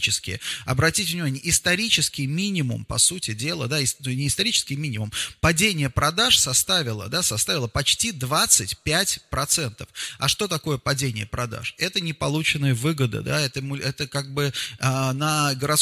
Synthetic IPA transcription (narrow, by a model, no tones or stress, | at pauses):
t͡ɕɪskʲɪ̰ɐ̰bɾɐtʲitʲvnʲɪmanʲɪjəɪst̪ɐɾʲit͡ɕɪskʲɪjmʲinʲɪmʊ̰mpɐ̰sutʲɪdʲe̞lˠə̰d̪aɪsnunʲɪɪst̪ɐɾʲit͡ɕɪ̥skʲɪjmʲinʲɪmʊmpɐdʲenʲɪjəpɾɐd̪aʂsɐst̪avʲɪlˠə̰d̪asɐst̪avʲɪlˠəpɐt͡ɕtʲid̪vat̪sɨtʲpʲætʲpɾɐt̪sɛnt̪əfɐ̰ʂt̪o̞t̪ɐko̞jəpɐdʲenʲɪjəpɾɐd̪a̰ʂɛt̪ənʲɪpɐlˠut͡ɕɪnəjəvɨɡəd̪ə̰d̪aɛt̪əmʊɛt̪əkaɡ̚bɨanəɡəɾɐt̪s